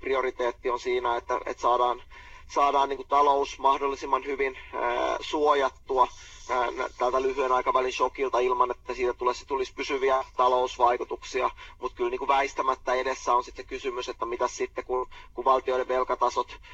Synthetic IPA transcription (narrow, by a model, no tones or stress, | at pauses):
priorit̪eːt̪ːionsiːnæet̪ːæ̰ḛt̪sɑːdɑːn | sɑːdɑːnniːŋkut̪ɑlousmɑhdolːisimːɑnhyʋin̰suojɑt̪ːuɑ | næ̰t̪ælt̪ælyhyenɑikɑʋælinʃokilt̪ɑilmɑnet̪ːæsiːt̪æt̪ulese̥t̪ulispysyʋiæt̪ɑlousʋɑikut̪uksiɑmut̪kylniːŋkuʋæist̪æmæt̪ːæedesːæːonsit̪sekysymyset̪ːæmit̪æssit̪ːekunkuʋʋɑlt̪ioiɾeʋelkɑt̪ɑsot̪